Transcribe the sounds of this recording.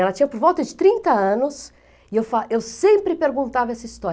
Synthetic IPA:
ɛlɐt͡ʃĩɲɐpoɾvɔwt̪ɐd͡ʒɪt̪ɾĩnt̪ɐɐ̃nʊs | ɪewfaʔewsẽmpɾɪpeɾɡũnt̪avɐɛsɐist̪ɔɾ

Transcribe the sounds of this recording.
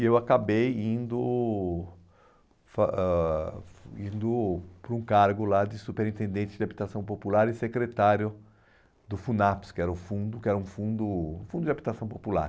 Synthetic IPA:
ewakabejĩnd̪ʊ | faɛ | ĩnd̪ʊpɾũkaɾɡʊlad̪ɪsupeɾĩt̪ẽnd̪ẽnt͡ʃɪd̪ɪabit̪asɐ̃w̃populaɾɪsekɾet̪aɾjʊ | d̪ʊfunapskɪɛɾɐʊfũnd̪ʊkɪɛɾɐũfũnd̪ʊũfũnd̪ʊd͡ʒʲabit̪asɐ̃w̃popula̰ɾ

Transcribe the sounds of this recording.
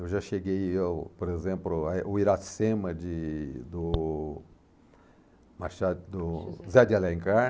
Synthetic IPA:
ewʒaʃeɡejewpoɾezẽmplʊaʔʊiɾasẽmɐd͡ʒɪd̪ʊ | maʃad̪ʊzad̪ɪalẽŋka

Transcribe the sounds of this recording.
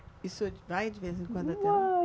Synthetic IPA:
isʊd͡ʒvajd͡ʒɪvezɪẽkwɐ̃nd̪at̪ẽ

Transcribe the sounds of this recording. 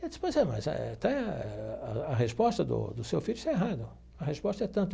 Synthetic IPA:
ɛispojzɛmɐ̰zɛ̰t̪ã | ɐɦespɔst̪ɐd̪ʊ̰d̪ʊsewfiʎʊɪst̪aeɦad̪ʊ | ɐhespɔst̪ɐɛt̪ɐ̃nt̪ʊ

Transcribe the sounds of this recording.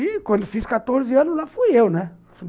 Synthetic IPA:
ikwʷɐ̃nd̪ʊfiskat̪oɾzɪɐ̃nʊzlafujewnɛ

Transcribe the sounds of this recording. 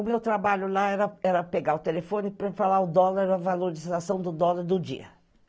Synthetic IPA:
ʊmewt̪ɾabaʎʊlaɛɾɐɛɾɐpeɡaʊt̪elefõnɪpɾɐfalaʊd̪ɔlaɾɾɐvaloɾizasɐ̃w̃d̪ʊd̪ɔlaɾd̪ʊd͡ʒḭɐ̰

